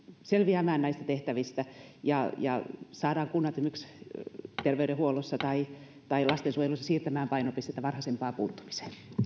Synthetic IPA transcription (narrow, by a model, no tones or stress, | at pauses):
selʋiæmæːnnɑist̪ɑt̪eht̪æʋist̪æjɑjɑ̰sɑːdɑːŋkunːɑt̪ymyks | t̪erʋeyɾehuolosːɑt̪ɑi | t̪ɑilɑst̪ensuojelusːɑsiːrt̪æmæːmpɑinopist̪et̪ːæʋɑnhɑsempɑːpuːt̪ːu̥mi̥se̥ː